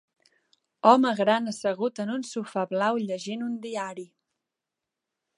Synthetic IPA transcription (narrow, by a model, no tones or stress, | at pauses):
ɔməɣɾanəsəɣut̪ənunsufaβlawʎəʒinund̪iaɾi